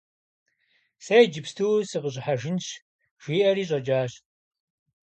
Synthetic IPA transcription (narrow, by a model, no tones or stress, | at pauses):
sejd͡ʒɪpstʰɨwsɨqəɕ̬ʼħaʒɪnɕ | ʒ̥ʷiːʔɐɾiːɕʼɐd͡ʒaːɕ